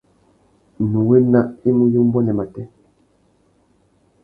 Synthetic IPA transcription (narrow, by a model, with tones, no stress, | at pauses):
nu˨we˦na˦ʔi˦mu˦ju˦m˦bɔ˦nɛ˨ma˨tɛ˦